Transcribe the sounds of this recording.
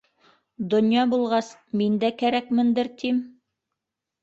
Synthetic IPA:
d̪ŏnjɑbulˠʁɑsmind̪ækæɾækmɘ̆nd̪ɘɾt̪im

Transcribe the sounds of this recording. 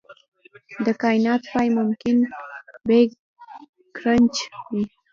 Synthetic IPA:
d̪əkɑjnɑt̪pɑjmʊmkɪnbe | kɾənt͡ʃwi

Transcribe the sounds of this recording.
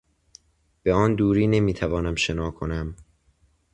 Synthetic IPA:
b̥e̞ɒːnd̪uːɾiːne̞miːt̪ʰævɒːnæmʃe̞nɒːkʰo̞næm

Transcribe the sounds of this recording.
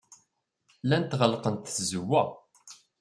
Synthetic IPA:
lænt̪ʁəlqənt̪θzəwːæ

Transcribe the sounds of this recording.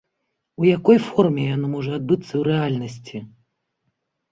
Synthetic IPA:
ujakɔjfɔrmʲɛjanɔmɔʐɐad̪̚bɨt̪sːɐwɾɛalʲnɐsʲt͡sʲi

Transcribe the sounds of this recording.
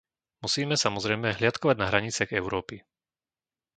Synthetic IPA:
musiːmɛsamɔzɾɛjmɛɦlɪat̪kɔʋaɟnaɦɾaɲit͡sɪaɣɛʊɾɔːpi

